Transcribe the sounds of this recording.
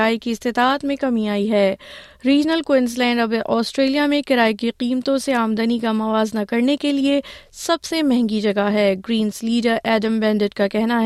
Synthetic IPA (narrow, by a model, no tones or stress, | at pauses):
aːikiɪst̪ɪt̪aːt̪mẽkɐmiaːiɦɛː | ɾiːd͡ʒnəlkwɪnzlɛ̃ːɳɖɐbʔɔːsʈɾeːlijamẽkɪɾaːikiqiːmt̪õseaːmd̪ənikamɐʋaːznɐkɐɾnekeliesɐbsemɛɦɛ̃ŋɡid͡ʒɐɡaɦɛːɡɾiːnsliːɖəɾʔɛːɖə̃mbɛ̃ːɳɖɪʈkakɛɦnaɦ